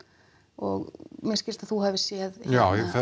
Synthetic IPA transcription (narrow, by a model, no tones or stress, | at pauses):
ɔ̰ɣmjɛɾscɪɾ̥st̪aðθuɦɛvɪ̥sjɛðjawθɛ